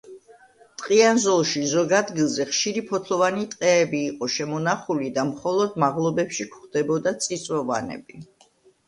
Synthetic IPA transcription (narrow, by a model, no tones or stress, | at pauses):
t̪ʼqʼianzɔlˠʃizɔɡad̪ɡilˠzɛχʃiɾipʰɔt̪ʰlˠɔvanit̪ʼqʼɛːbiːqʼɔʃɛmɔnaχulid̪amχɔlˠɔd̪maʁlˠɔbɛpʃikχd̪ɛbɔd̪at̪sʼit̪sʼwɔva̰nɛ̰bi